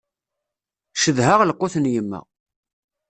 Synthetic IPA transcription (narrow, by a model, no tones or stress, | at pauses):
ʃəðhaʁləqːoθənjəmːæ̰